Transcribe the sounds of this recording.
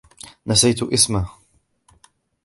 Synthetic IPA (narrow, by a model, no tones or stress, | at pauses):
nasajt̪ʔɪsma